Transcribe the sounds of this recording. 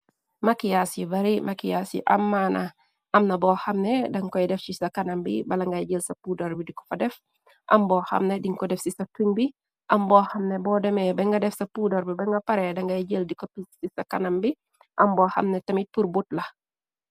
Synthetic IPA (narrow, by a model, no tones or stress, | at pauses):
makijasibɐɾimʔakijasḭʔɐ̰mːanɐ | ʔɐmnɐbɔːxɐmnedɐŋkɔjdɛfsisɐkɐnɐmbḭbɐlɐŋɡɐjɟəlsɐpudɐɾbidikɔ̥fɐdɛf | ʔɐmbɔːxɐ̰mnediŋkɔdɛfsisɐfiŋbi | ʔɐmbɔːhɐmnebɔːdɛmɛbɛŋɡɐdɛfsɐpudɐɾbibɛŋɡɐpɐɾɛdɐŋɡɐjɟəldikopisisɐkɐnɐmbi | ʔɐmbɔːxɐ̰mnɛtɐmit̚puɾbutlɐ